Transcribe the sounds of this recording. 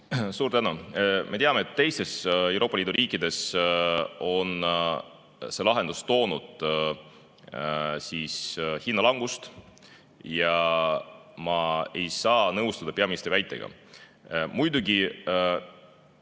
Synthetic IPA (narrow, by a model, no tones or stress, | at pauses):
suːɾt̪ænumʔe̞t̪eɑme̞et̪ːe̞jst̪e̞se̞wɾʔoːpːˑɑliːd̪uɾiːkːˑid̪̥e̞s | o̞n | se̞lɑɦe̞nd̪̥ust̪o̞ːnud̪̥ | siːshinːɑlɑŋɡ̥ust̪ | jɑ | mɑe̞jsɑːnɤwst̪ɑd̪̥ɑpe̞ɑminist̪ɾivæjt̪ːˑe̞̰ɡ̥ɑ̰ | mujd̪uɡi